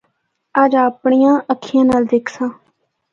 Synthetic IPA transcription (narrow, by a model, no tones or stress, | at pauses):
əd͡ʒaːpɳijãːʔəkʰɪjãːnaːld̪ekʰsãː